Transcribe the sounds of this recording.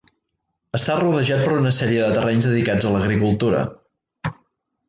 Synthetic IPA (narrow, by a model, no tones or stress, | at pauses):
əst̪aruðəʒat̪̚pəɾunəsɛɾiəðət̪ərɛɲzðəðikad͡zələɣɾikulˠt̪uɾə̰